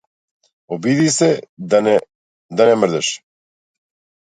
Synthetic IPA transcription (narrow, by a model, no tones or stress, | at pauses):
obid̪isɛ | d̪anɛmr̩d̪ɛʃ